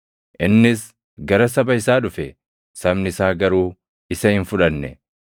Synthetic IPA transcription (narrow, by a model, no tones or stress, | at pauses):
ʔɪnːɪs | ɡɐɾɐs̬ɐbɐɪsaːᶑʊfɛ | sɐmnɪsaːɡɐɾuː | ɪsɐhɪnfʊᶑɐnːɛ̰